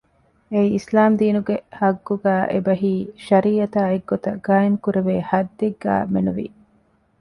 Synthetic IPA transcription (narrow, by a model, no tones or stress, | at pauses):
eiislaːmd̪iːnuɡehɐɡːuɡæːʔebɐɦiːʃɐɾiːɐt̪aːeɡːot̪ɐɡ̥aːjeŋkuɾeʋeːhɐd̪ːeɡːæ̰ːmenuʋḭ